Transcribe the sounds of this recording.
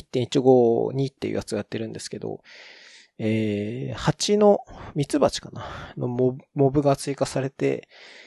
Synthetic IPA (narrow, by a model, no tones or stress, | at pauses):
it̪ːẽit͡ɕiɡo̞ɲ̟iːt̪ːejiɯ̰jat͡sɨojat̪ːe̞ɾɯ̟̃nd̪e̞sɨ̥ke̞d̪o̞̰ | eːhat͡ɕino̞mʲit͡sɨbat͡ɕi̥kanano̞̰momo̞bɯ̟ɡat͡sɨikasaɾe̞t̪e̞̰